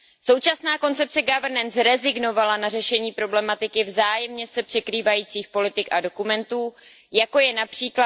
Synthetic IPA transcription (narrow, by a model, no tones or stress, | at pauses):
so̞wt͡ʃasnaːko̞nt͡sɛp̚t͡sɛɡavɾnɛnsɾɛzɪɡno̞valanar̝ɛʃɛɲiːpɾo̞blɛmat̪ɪkɪvzaːjɛmɲɛsɛpr̝̥ɛkɾiːvajiːt͡siːxpo̞lɪt̪ɪkʔado̞kumɛnt̪uː | jako̞jɛnapr̝̥iːkla